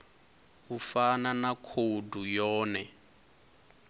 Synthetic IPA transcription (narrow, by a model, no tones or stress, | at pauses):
ufananakʰodʱujɔːnɛ